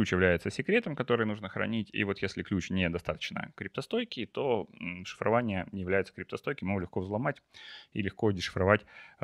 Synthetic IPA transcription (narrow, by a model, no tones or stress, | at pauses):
lʲut͡ɕjɪvlʲæjɪt̪səsʲɪkɾʲe̞t̪əmkɐt̪o̞ɾɨjənuʐnəxɾɐ̰nʲitʲḭvo̞t̪jesʲlʲɪklʲut͡ɕnʲed̪ɐst̪at̪ə̥t͡ɕnə̰kɾʲɪp̚t̪ɐst̪o̞jkʲɪt̪o̞ʂɨ̥fɾɐ̰vanʲɪjənʲɪjɪvlʲæjɪt̪səkɾʲɪpt̪ɐst̪o̞jkʲɪmlʲɪxkovzlˠɐmatʲḭlʲɪxko̞dʲɪʂɨ̥fɾɐvatʲ